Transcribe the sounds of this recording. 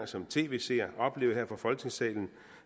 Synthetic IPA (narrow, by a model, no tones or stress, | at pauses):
ɐsɒ̽mt͡sʰe̝̰ːʋe̝se̝̰ɒ̽b̥le̝̰ːʊɦeɐ̰fɒfɒ̽lɡ̥ne̝ŋsɛ̰ːln̩